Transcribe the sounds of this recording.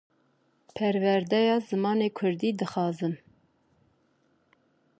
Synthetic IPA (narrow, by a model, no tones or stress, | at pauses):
pʰɛɾvɛɾd̪ɛjɑːzɨmɑːneːkʰʊɾd̪iːd̪ɨxɑːzɨn